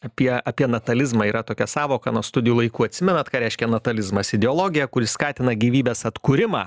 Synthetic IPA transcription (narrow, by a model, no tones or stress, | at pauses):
ɐpʲiɛɐpʲiɛnɐt̪ɐlʲɪzmɑːiːɾɐt̪oːkʲɛsɑːʋoːkɑnuɔst̪ʊd̪ʲɪjuːlˠɐɪkuːɐt̪ʲsʲɪmʲɛnɐt̪kɑːɾʲɛɪʃʲkʲɛnɐt̪ɐlʲɪzmɐsɪd̪ʲɛoːlˠoːɡʲɪjɛkʊɾʲɪskɑːt̪ʲɪnɐɡʲiːʋʲiːbʲeːsɐt̪kʊɾʲɪmɑ̰ː